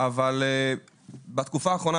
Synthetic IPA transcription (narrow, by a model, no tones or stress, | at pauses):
avale | bat̪kufaːχʁo̞na